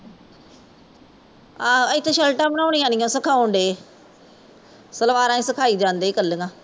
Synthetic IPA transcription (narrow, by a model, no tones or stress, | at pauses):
aːəɪt̪ʰːʃɛlʈãːmənãːɽ̃ĩjãːnijõːsəkʰaːoɳɖ̪eː | səlʋaːɾãːĩːsəkʰaːiːd͡ʒãːnd̪eːkəlːəŋãː